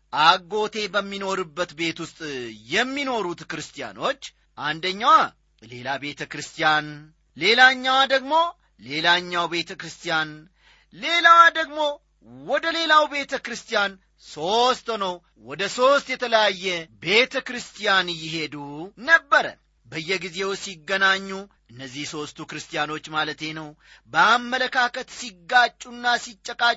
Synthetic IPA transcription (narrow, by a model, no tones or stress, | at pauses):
ʔaɡːo̞t̪ʰe̞bəmːino̞ɾɨbːət̪be̞t̪wʊst̪ʼjɛmːino̞ɾut̪kɨɾɨst̪ʰija̰no̞t͡ʃː | ʔand̪əɲːawa | le̞labe̞t̪ʰəkɾɨst̪ijan | le̞laɲːawad̪əɡmo̞ | le̞laɲːawbe̞t̪ʰəkɾɨst̪ijan | le̞lawd̪əɡmo̞ | wɔd̪əle̞lawbe̞t̪ʰəkɾɨst̪ijan | so̞st̪nəw | wɔd̪əso̞st̪jɛt̪ʰələjajːɛbe̞t̪ʰəkɾɨst̪ijanjɪɦe̞d̪unəbːəɾə̰ | bəjːɛɡize̞wsiɡːənaɲːuʔɨnːəzːihso̞st̪ʰukɾɨst̪ijano̞t͡ʃːmalət̪e̞nəw | bəamːələkʰakət̪siɡːat͡ʃʼːunːasit͡ʃʼːəkʼat͡ʃʼː